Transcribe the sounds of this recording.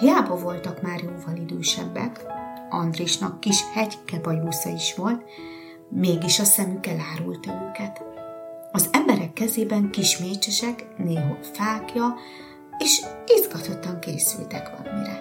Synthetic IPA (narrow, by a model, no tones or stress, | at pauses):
hijaːbɒvo̞lt̪ɒkmaːrjoːvɒnid̪øːʃɛ̰bːɛ̰kɒ̰nd̪riʃnɒkːiʃhɛɟkɛbɒjuːsɒiʃʋo̞lt̪ | meːɡiʃɒsɛmykɛlaːɾult̪ɒøːkɛt̪ | ɒzɛmbɛɾɛkːɛzeːbɛŋkiʃmeːt͡ʃɛʃɛkneːɦo̰lfaːkjɒ | eːʃizɡɒt̪o̞t̪ɒŋkḛːsy̰lt̪ɛkʋɒ̰mḭɾɛ̰